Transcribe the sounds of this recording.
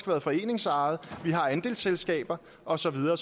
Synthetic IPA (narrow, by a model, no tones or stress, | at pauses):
ɡ̥ʋæːɐð̞̩ˠfɒ̽e̝̰ːne̝ŋsɑ̈ðˠʋiɦɑ̈ænd̥e̝̰ːlselsɡ̥ɛ̰ːb̥ɐ | ʔɒ̽sɒ̽ʋið̞ˠɐː